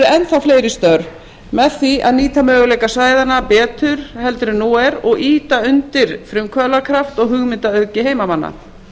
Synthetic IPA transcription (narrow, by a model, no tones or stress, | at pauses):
ɾʏɛnθawfleːjɾɪst̪œɾ | mɛðθia̰ðniːt̪amœːɣʏleːjkasaːjðanapɛːt̪ʏɾ̥hɛlt̪ʏɾʏnuːɛɾɔɣiːt̪aʏnt̪ɪɾ̥fɾʏmkʰvœlakʰɾaft̪ɔɣɦʏɣmɪnt̪aœðcɪheːjmamanːa̰